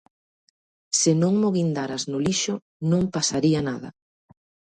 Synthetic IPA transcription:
sɪnõŋmoɣind̪aɾaznʊliʃʊ | nõŋpasaɾianaða̰

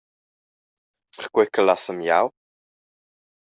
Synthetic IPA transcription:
pərkwɛkəlasəmja̰w

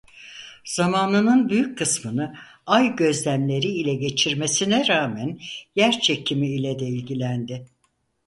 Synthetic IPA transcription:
z̥amaːnɯnɯnbyjyc̚kʰɯsmɯnɯ | ajɟø̞zlʲæmlʲe̞ɾiilʲɛɟe̞t͡ʃʰiɾme̞sinɛɾaːmænjæɾt͡ʃʰecʰimiːlʲɛd̪eilʲɟilʲænd̪ɪ

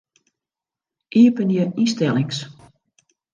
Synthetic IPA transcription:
ʔiəpənjəistɛlˠɪŋs

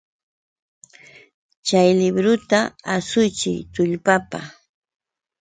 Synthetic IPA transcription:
t͡ʃajlɪbɾʊt̪aasʊjt͡ʃɪ̰jt̪ʊʎpapa

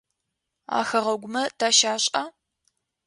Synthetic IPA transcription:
a̰ːxɐʁɐɡʷʊmɐtʰaːʃaːɕʼa

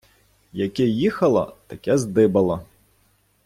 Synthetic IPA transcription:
jɐkʲɛjixɐlˠɐ̰t̪ɐkʲɛzd̪ɪbɐlˠɐ

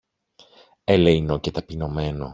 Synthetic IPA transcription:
eleinocet̪ɐpino̞me̞no̰

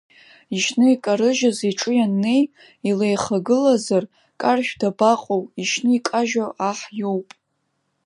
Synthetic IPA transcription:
iʃnɨikʼaɾɨʒaziʈ͡ʂʼɨjanːe̞j | ilejχaɡɨlazar | kʼarʒᶣdabaqʼowiʃnɨikʼaʒaʔaħjo̞wpʼ

